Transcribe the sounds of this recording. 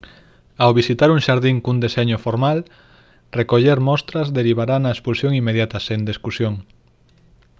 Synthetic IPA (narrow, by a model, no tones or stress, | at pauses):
awβisit̪aɾuŋʃaɾðiŋkund̪eseɲʊfoɾmal | rekoʎeɾmɔst̪ɾɐzðeɾiβaɾanɐespulsjoŋimːeðjat̪ɐsend̪eskusjoŋ